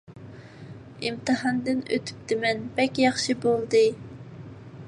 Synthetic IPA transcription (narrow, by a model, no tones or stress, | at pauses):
imt̪ɨhɑnd̪ɨnø̰t̪ʰy̥p̚t̪ɪmɛnbɛkʲjɑχʃibolˠd̪ɨ